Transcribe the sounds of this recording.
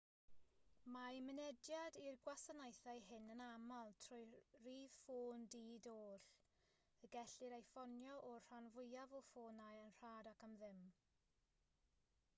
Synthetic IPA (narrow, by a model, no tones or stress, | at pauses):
mamənɛdjadirɡwasanajθajɦɪnənamalˠtʰrʊjriːð̥foːndiːdoːɬ | əɡɛɬɪɾajfɔnjɔʔɔr̥anvʊjavɔfoːnajənr̥aːdakəmðɪm